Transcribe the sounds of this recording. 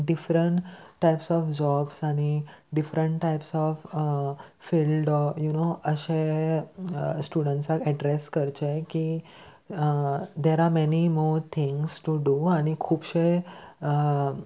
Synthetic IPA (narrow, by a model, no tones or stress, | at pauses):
ɖifɾəɳʈʈːajpsɔfd͡ʑɔbsañiɖifɾəɳʈʈajpsɔf | filɖɔjunoəɕe | sʈuɖə̃ɳʈsakɛɖɾeskəɾt͡ɕeki | d̪eɾamɛnimɔɾt̪ʰĩŋsʈuɖuanikʰuːbɕeə